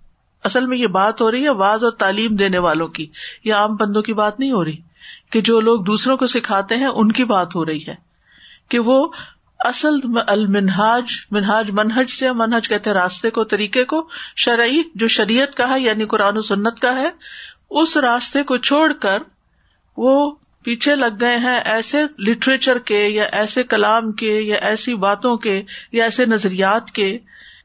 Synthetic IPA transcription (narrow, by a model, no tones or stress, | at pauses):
ɐsəlmẽjebaːt̪ɦoɾɐɦiɦɛʋaːzɔːɾt̪aːliːmd̪eːneʋaːlõkijeaːmbɐ̃nd̪õkibaːt̪nɐɦĩɦoːɾɐiː | ked͡ʒoːloːɡ̚d̪uːsɾõkosɪkʰaːt̪eɦɛ̃ʔʊnkibaːt̪ɦoɾɐɦiɦɛː | keʋo | ɐsəlɐlmɪnɦaːd͡ʒmɪnɦaːd͡ʒmɐnɦəd͡ʒseamɐnɦəd͡ʒkɛɦt̪ẽɦɛ̃ɾaːst̪ekot̪ɐɾiːkekoʃɐɾʕid͡ʒoːʃɐɾiːət̪kaɦɛjaːnikʊɾaːnosʊnːət̪kaɦɛː | ʊsɾaːst̪ekot͡ʃʰoːɽkəɾ | ʋoː | piːt͡ʃʰelɐɡːɐeɦɛ̃ʔɛːselɪʈɾeːt͡ʃəɾkejaʔɛːsekɐlaːmkejaʔɛːsibaːt̪õkejaɛːsenɐzɾijaːt̪ke